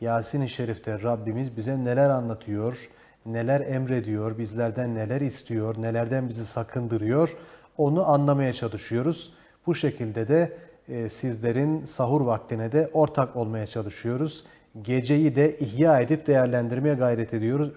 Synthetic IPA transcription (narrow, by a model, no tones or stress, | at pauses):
jaːsiniʃe̞ɾift̪ʰɛɾabːimizbizɛne̞lʲæɾanlˠat̪ʰɯjo̞ɾ | ne̞lʲæɾɛmɾe̞d̪ijo̞ɾbizlʲæɾd̪ænːe̞lʲæɾist̪ʰijo̞ɾne̞lʲæɾd̪ænbizisakʰɯnd̪ɯɾɯjo̞ɾ̥ | o̞nuʔanlˠamajat͡ʃʰalˠɯʃɯjo̞ɾuz̥ | b̥uʃe̞cʰilʲd̪ɛd̪ɛ | sizlʲe̞ɾinsaɦuɾvak̚t̪ʰinɛd̪ɛʔo̞ɾt̪ʰako̞lˠmajat͡ʃʰalˠɯʃɯjo̞ɾuz | ɟe̞d͡ʒe̞jid̪ɛʔiɦjaːe̞d̪ip̚d̪e̞jæɾlʲænd̪iɾmejɛɡajɾɛt̪ʰe̞d̪ijo̞ɾuz